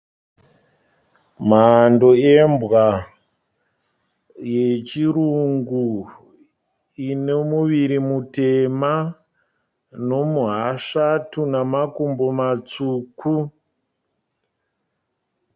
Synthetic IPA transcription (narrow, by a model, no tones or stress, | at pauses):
mando̞embɣa | je̞t͡ʃiɾuŋɡu | inemuʋiɾimutema | no̞muɦaʂatunamakumbomat͡suːku